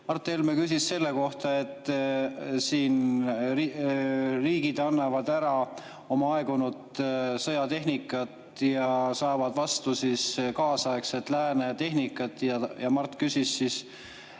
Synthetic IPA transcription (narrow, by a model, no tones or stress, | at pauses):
mɑrt̪ːˑe̞lmekys̬isse̞lːe̞ko̞ht̪ɑe̞t̪ˑː | siːn | riːɡ̥id̪̥ɑnːɑvɑd̪æɾɑ | o̞mɑɑeɡ̥unud̪sɤjɑt̪e̞ɦnikːˑɑt̪ | jɑsɑːvɑd̪̥vɑst̪usiskɑːsɑekset̪ːˑlæːnet̪e̞ɦnikːˑɑt̪ːˑjɑjɑmɑrt̪ːˑkysisis